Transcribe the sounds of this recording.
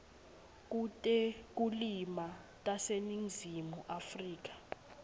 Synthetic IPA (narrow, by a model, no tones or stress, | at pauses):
k̬ʼutʼɛk̬ʼulima | tʼaseniŋzimuʔafriːk̬ʼḁ